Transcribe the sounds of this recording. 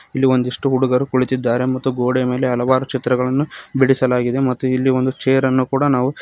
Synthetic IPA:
ilːio̞nd̪iʂʈuɦuɽuɡɐɾukuɭit̪id̪ːaːɾe̞mɐt̪ːuɡoːɽeme̞ːleɦɐlɐʋaːɾut͡ʃit̪ɾɐɡɐɭɐnːu | biɽisɐlaːɡid̪e̞mɐt̪ːuilːio̞nd̪ut͡ʃeːjɐɾɐnːukuːɽɐnaːʋu

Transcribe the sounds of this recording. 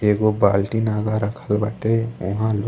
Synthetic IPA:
eːɡobaːlʈinaːɡaɾəkʰəlbəʈeʊɦãlo

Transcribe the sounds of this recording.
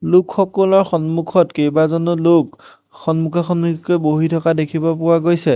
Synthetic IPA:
lʊkxɔkɔlɔɹxɔnmukʰɔtkejbazɔnɔlok | xɔnmukʰaxɔnmukʰikojboɦitʰɔkadekʰibɔpʊwaɡojsɛ

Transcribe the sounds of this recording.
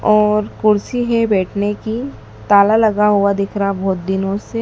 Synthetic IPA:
ɔːɾkʊɾsiɦɛbɛːʈʰneki | t̪aːlalɐɡaɦuad̪ɪkʰɾaabʱɔːt̪̚d̪ɪnõse

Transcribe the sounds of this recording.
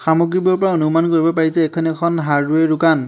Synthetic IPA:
xamoɡɹibɔɹpɔɹaonumankoɹibɔpaɹisɛɛkʰɔnɛkʰɔnɦaɹduɛɹʊkan

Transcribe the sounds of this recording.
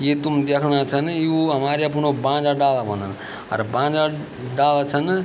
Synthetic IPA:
jet̪umd̪ekʰɽ̃at͡sʰənjuɦəmaɾjap̬uɽ̃obãːd͡zaɖalabʱõnd̪ən | ɐ̰ɾbãːd͡za | ɖalat͡sʰən

